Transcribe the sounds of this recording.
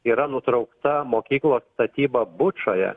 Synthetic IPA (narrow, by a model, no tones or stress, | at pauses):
iːɾɐnʊt̪ɾɐʊkt̪ɐmoːkʲiːklˠoːst̪ɐt̪ʲiːbɐbʊt͡ʃojɛ̰